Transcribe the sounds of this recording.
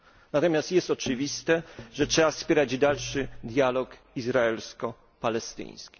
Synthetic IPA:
nat̪ɔmʲjast̪jɛst̪ɔt͡ʂɘvʲist̪ɛʐɛtʂɛbafspʲjɛɾad͡ʑd̪alʂɘd̪ʲjalɔk | izɾaɛlskɔ | palɛst̪ɘ̰̃ɲ̃skʲi̥

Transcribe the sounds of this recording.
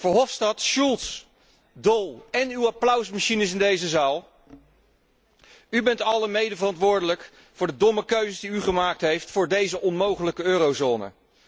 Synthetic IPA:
vʊːɹɦɔfstɑtʃulˠts | dɔlˠɛnywaplœwsmaʃinəsɪndejzəzaːlˠ | ybɛntɑləmejdəvərɑntʋʊːɹdələk | fʊːɹdədɔməkøɥzəsdiyχəmaːk̚tɦejftfʊːɹdejzəʔɔnmowχələkəøːrowzoːnə̰

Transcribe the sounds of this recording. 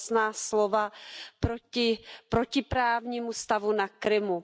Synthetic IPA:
snaːslovapɾoɪpɾocɪpɾaːvɲiːmust̪avunakɾɪmu

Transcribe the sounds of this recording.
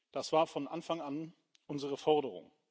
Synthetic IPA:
d̥asv̥aːɐfɔnʔanfaŋan | ʔʊnzəʁəfɔɐdəʁʊ̰ŋ

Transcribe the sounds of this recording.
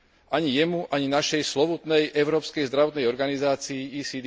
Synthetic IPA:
ʔaɲijɛmuʔaɲinaʃɛjslɔʋut̪nɛjʔɛʊɾɔːpskɛjzd̪ɾaʋɔt̪nɛjɔɾɡanizaːt͡siːiːsid̪

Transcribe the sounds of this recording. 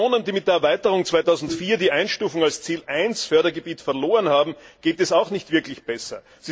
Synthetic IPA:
oːnəndiːmɪt̚d̥eːɐɐvaɪtəʁʊŋt͡svaɪtaʊzn̩tfiːɐdiːʔaɪnʃtuːfʊŋalst͡siːlʔaɪnsfœɐdɐɡəbiːtfɛɐloːʁənhaːbm̩ɡ̥eːtɛsaʊxnɪçtv̥ɪɐklɪçb̥ɛsɐ | z̥i

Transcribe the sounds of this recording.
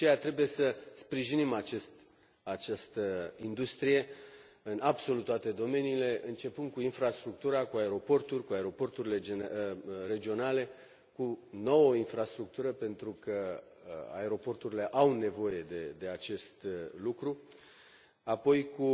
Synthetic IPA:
ejat̪ɾe̞buje̞səspɾiʒinimat͡ʃest̪ | at͡ʃast̪əind̪ust̪ɾije̞ | ɨnabso̞lut̪ːwat̪e̞d̪o̞me̞niːle̞ʔɨnt͡ʃe̞pɨnd̪̚kuinfɾast̪ɾuk̚t̪uɾakuae̞ɾo̞po̞rt̪urʲkuaeɾo̞po̞rt̪uɾile̞d͡ʒeɾe̞d͡ʒio̞nale̞ | kuno̞wəinfɾast̪ɾuk̚t̪uɾəpe̞nt̪ɾukə | a̰e̞ɾo̞po̞rt̪uɾile̞ʔawne̞vo̞je̞d̪e̞d̪e̞at͡ʃe̞st̪lukɾu | apo̞jkʰu

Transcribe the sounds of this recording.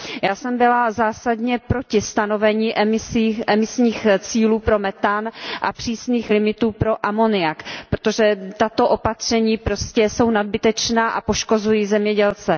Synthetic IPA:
jaːsɛmbɪlazaːsadɲɛpɾo̞cɪst̪ano̞vɛɲiːʔɛmɪsiːʔɛmɪsɲiːxt͡siːluːpɾo̞mɛt̪anʔa̰pr̝̥iːsniːxlɪmɪt̪uːpɾo̞ʔamo̞nɪakpɾot̪o̞ʒɛt̪at̪o̞ʔo̞pat̪r̝̥ɛɲiːpɾo̞scɛso̞wnad̚bɪt̪ɛt͡ʃnaːʔapo̞ʃko̞zujiːzɛmɲɛɟɛlt͡sɛ

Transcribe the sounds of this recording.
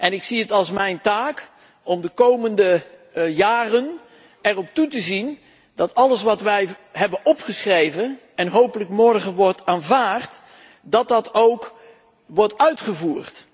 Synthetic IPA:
ʔɛnɪksiətɑlˠsmɛjntaːk | ɔmdəkowməndə | jaːrən | ɛrɔp̚tutəzin | dɑtɑləsʋɑtʋɛjɦɛbənɔpχəsχrejvə | ɛnɦowpələkmɔɹχənʋɔɹtaːnvaːrt | dɑt̚dɑtowk | ʋɔɹtœɥtχəvuːɹt

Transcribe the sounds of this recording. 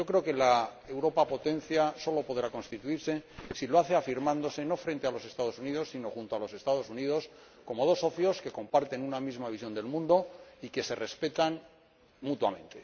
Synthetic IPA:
o̞kɾe̞okelae̞wɾo̞papo̞t̪ẽ̞n̟θjaso̞lo̞po̞ðɾako̞nst̪it̪uiɾse̞siloaθeafiɾmãnd̪o̞se̞no̞fɾe̞nt̪e̞alo̞se̞st̪að̞o̞suniðosːino̞xunt̪oalo̞se̞st̪að̞o̞suniðo̞s | ko̞mo̞ð̞o̞so̞θjo̞ske̞ko̞mpaɾt̪e̞nunamizmaβis̬jo̞nd̪e̞lmũnd̪o̞ike̞se̞re̞spe̞t̪an | mut̪wamẽ̞nt̪e̞

